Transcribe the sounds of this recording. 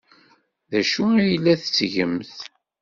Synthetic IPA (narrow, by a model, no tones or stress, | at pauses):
ðæʃuæjlːæθt͡sːʝə̰mθ